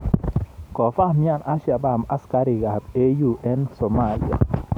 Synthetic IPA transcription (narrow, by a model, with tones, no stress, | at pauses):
kɔ˨fa˦hmja˨na˦ʃja˨ba˦˨ma˦ska˦ɾi˨ɡa˨te˦ju˨ʔɛ˦nsɔ˨ma˨li˨a̰˨